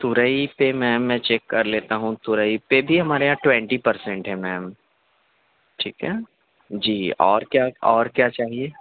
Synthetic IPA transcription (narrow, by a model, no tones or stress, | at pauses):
t̪ʊɾəipemɛ̃ːmːɛ̃t͡ʃɛːkːɐɾleːt̪aɦũt̪ʊɾəipebʱiɦɐmaːɾejãːʈwɛ̃ɳʈipɐɾsɛ̃ɳʈɦɛmɛːm | ʈʰiːkɦɛː | d͡ʒiːɔːɾkjaɔːɾkjaːt͡ʃaːɦieː